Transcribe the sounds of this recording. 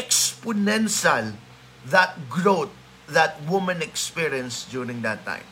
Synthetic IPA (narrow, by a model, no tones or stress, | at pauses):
ɛkspʊnɛ̃nʃal | ðat̪̚ɡɹot̪̚ | ðat̪̚wʊmãnɛkspiɹiə̃nsd̪juɾɪ̃ŋd̪at̪ːã̰ɪ̃m